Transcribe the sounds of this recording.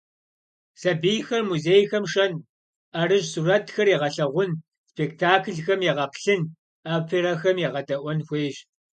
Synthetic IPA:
sɐbiːjxɐrmuzeːjxɐmʂɐn | ɐrɨʒsurɐtʰxɐriʁɐɬɐʁʷʊn | spʰeːk̚tʰaːkʰɨɮxɐmjɛʁɐpʰɬɨn | aːpʰeɾɐxɐmjɛʁɐdɐʔʷɔnxʷeːʒ

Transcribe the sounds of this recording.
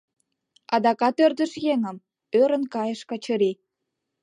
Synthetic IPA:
ɑd̪ɑkɑt̪ørd̪ə̆ʃjeŋə̆m | øɾə̆nkɑjə̆ʃkɑt͡ɕɤɾi

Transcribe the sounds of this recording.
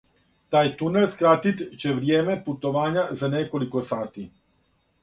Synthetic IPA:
t̪aːjt̪unelskɾat̪it̪t͡ɕe̞ʋɾjeːme̞put̪oʋaːɲazanekolikosaːt̪i

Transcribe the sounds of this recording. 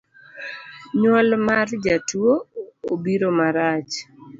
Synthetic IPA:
ɲwɔlmard͡ʒatwoobiɾomaɾat͡ʃ

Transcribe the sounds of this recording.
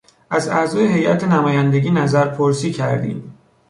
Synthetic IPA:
ʔæzæzɒːjeɦe̞jʔæt̪ʰenæmɒːjænd̪eɟiːnæzæɾpʰoɾsiːcʰæɾd̪ḭːm

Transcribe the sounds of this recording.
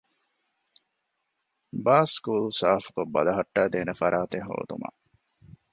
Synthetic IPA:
baːskuːlsaːfu̥kobːɐ̰lɐɦɐʈːæːd̪eːnefɐɾʔaːt̪eɦo̰ːd̪ṵmɐ̰

